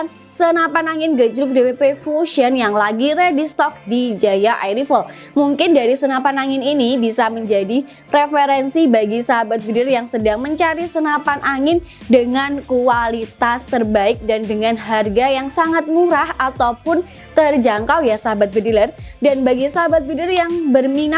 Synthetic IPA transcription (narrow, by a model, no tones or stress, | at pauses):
n | sənapanaŋɪnɡəd͡ʒɾʊk̚deepefuʃiənjaŋlaɡiɾɛdist̪ɔk̚did͡ʒajaʔajɾifəl | muŋkɪndaɾisənapanaŋɪninibisaməɲd͡ʒadi | ɾefeɾɛnsibaɡisaɦabat̪̚bədɪrjaŋsədaŋməɲt͡ʃaɾisənapanʔaŋɪn | dəŋankualit̪ast̪ərbaɪk̚dandəŋanɦarɡajaŋsaŋat̪̚muɾahat̪awpʊn | t̪ərd͡ʒaŋkawjasaɦabat̪̚bədilərdanbaɡisaɦabat̪̚bədɪrjaŋbərmina